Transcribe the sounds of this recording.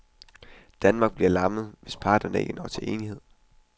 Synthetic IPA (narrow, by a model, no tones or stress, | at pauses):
d̥ænmɑ̈ːɡ̥̚b̥liɐlɑ̈məð̩ˠʋe̝spʰɑ̈ːd̥ɐnəe̝ɡ̥ənʔɒ̰ːt͡sʰe̝lʔe̝ːnihe̝ð̞̰ˠ